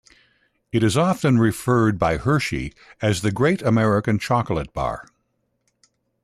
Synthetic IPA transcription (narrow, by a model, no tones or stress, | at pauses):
ɨɾɨzɑfɨ̃nɹɨfɜ˞d̚baɪhɜ˞ʃḭ | ɨzðɨɡɹeɪɾɨmɛɹɨkɨ̃nt͡ʃʰɑkl̩ˠət̚b̥ɑ̰ɹ